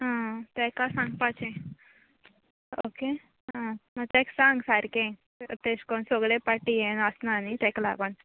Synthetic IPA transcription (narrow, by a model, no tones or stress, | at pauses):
ɦãt̪ɛkasãŋɡ̚pat͡ɕẽ | oke | ɦãmət̪ɛksãŋɡsaɾkẽ | t̪eskonsoɡɭepaʈijenəsnanit̪ɛkla̰pəɳ